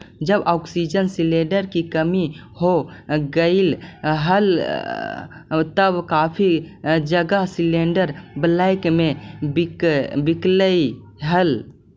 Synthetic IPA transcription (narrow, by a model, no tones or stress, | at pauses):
d͡ʒəbɔksid͡ʒənsileɖəɾkikəmihoɡəɪlɦəl | t̪əbkapʰid͡ʒəɡəɦsileɳɖəɾblajkmebikbikləi | ɦəl